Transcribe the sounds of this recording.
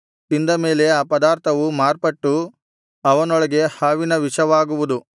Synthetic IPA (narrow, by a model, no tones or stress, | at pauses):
t̪ind̪ɐme̞ːle̞aːpɐd̪aːɾt̪ʰɐʋumaːɾpɐʈːu | ɐʋɐnɔɭɐɡe̞haːʋinɐʋiʂɐʋaːɡuʋud̪u